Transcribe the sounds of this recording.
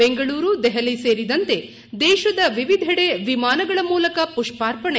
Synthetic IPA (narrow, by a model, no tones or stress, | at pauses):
eŋɡɐɭuːɾud̪ɛɦɐliseːɾid̪ɐnt̪e | d̪ɛːʃɐd̪ɐʋiʋid̪ʱɐɽeʋimaːnɐɡɐɭɐmuːlɐkɐpuʂpaːɾpɐɳe